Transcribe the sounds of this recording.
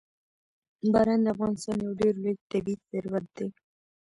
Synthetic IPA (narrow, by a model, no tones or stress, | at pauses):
bɑɾand̪əafɣɑnɪst̪ɑnjawɖeɾleɡ̚t̪abiit̪zeɾwat̪̚d̪e